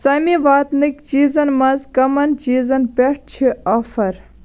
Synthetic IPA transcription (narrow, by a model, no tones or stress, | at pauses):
sɐmiʋaːt̪nɨkt͡ʃiːzɐnmɐzkɐmɐnt͡ʃiːzɐnpeʈ̚ʰt͡ʃʰiʔɐfɐɾ